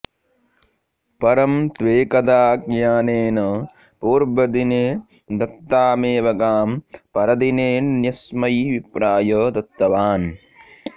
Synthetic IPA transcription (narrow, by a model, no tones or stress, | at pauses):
pɐɾɐmt̪ʋeːkɐd̪aːkjaːneːnɐ | poːɾbɐd̪ineː | d̪ɐt̪ːaːmeːʋɐɡaːmpɐɾɐd̪ineːnnjɐsmɐjʋipɾaːjɐd̪ɐt̪ːɐʋaːn